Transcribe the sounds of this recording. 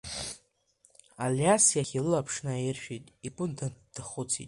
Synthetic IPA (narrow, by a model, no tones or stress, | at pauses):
aljasjaχʲilɨlapʰʂnaɪrʃᶣitʼipʼʊndand̥ɨχʊt͡sʰḭtʼ